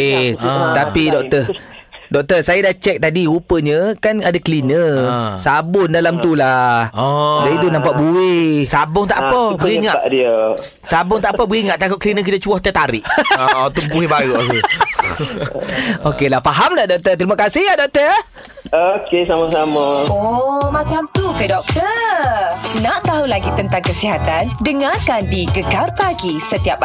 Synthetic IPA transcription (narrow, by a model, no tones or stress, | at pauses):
t̪apidɔk̚t̪ə | dɔk̚t̪əsajadat͡ʃɛk̚t̪adiupəɲə̃kanadakəlinəsabʊndalamt̪ula | dait̪unampaʔbuɪsabʊŋt̪aʔpəbɣiŋaaʔdiə | sabʊŋt̪aʔpəbiŋaʔt̪akʊʔ̚kəlinək̬it̪at͡ʃuɔht̪ət̪aɾɪʔɔt̪uʔbuɪhbaɣuʔɦu | okelahfaɦamladɔk̚t̪ərt̪ɾimakasɪhjadɔk̚t̪ər | okesamasaməomãt͡ʃamt̪ukədɔk̚t̪ə | naʔt̪aɦulaɡit̪ənt̪aŋkəsiɦat̪andəŋarkandiɡəɡarpaɡisət̪iap